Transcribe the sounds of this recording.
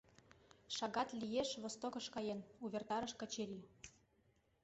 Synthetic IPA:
ʃɑɣɑt̪lʲijeʃβost̪okɤ̆ʃkɑjenuβʲert̪ɑɾə̆ʃkə̆t͡ɕeɾʲi

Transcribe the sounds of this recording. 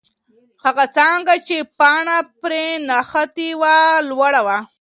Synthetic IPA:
haɣat͡sɑŋɡat͡ʃepɑɳapɾenaxat̪iwalwaɽawa

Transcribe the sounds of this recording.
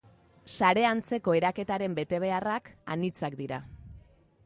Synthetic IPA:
saɾe̞ant͡se̞ko̞e̞ɾake̞t̪aɾe̞mbe̞t̪e̞β̞e̞araka̰nit͡sakd̪iɾa

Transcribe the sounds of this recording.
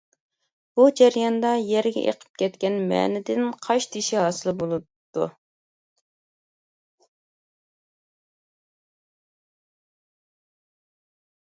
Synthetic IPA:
b̥ud͡ʒæɾjɑnd̪ɑjɛɾɡʲɛ̰ʔḛqʰə̥p̚kʲʰɛt̪kʲɛnmɛ̰ːnɪd̪ɪnqʰɑʃt̪ʰiʃiɦɑːsɨlˠɨbolˠut̪ːṵ

